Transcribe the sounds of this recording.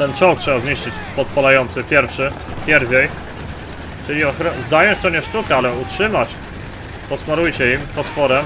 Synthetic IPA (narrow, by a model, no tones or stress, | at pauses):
t̪ɛnt͡ʂɔwk̚tʂɛbazɲiʂt͡ʂɘt͡ɕpɔt̪̚palajɔnt̪sɘpʲjɛɾfʂɘ | pʲjɛɾvʲɛj | t͡ʂɘlʲiɔxɾɔzajɔɲt͡ɕt̪ɔɲɛʂt̪ukɛalɛutʂɘmat͡ɕ | pɔsmaɾujt͡ɕɛimfɔsfɔɾɛ